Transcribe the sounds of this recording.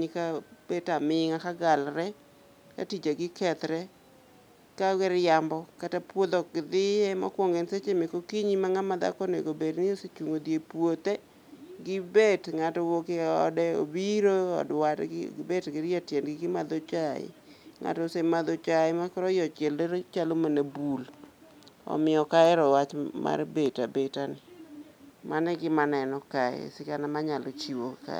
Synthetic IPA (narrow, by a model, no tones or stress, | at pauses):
ɲɪkab̥etamɪŋakaɡalɾɛ | ka̰tid͡ʒaɡɪkɛt̪ɾɛ | kawɛɾjambɔkatapwod̪ɔkɪd̪ɪema̰kwɔŋɡenset͡ʃemekokiɲimaŋamad̪a̰kɔnḛɡobednɪoset͡ʃoŋod̪jepwot̪e | ɡɪbetŋatɔwokeɔdɛo̰biɾoɔ̰dwatɪbetɡɪɾatjɛnɡɪɡɪmad̪ot͡ʃaɪ̰ | ŋa̰tɔsemad̪ot͡ʃaɪmakɔɾɔjɔt͡ʃɛlɾt͡ʃalomanebul | ɔ̰mɪɔkaɛɾɔwat͡ʃma̰rbetabetanɪ | manɛɡɪmanɛnɔkaɛ̰sɪkanamaɲalot͡ʃiwoka̰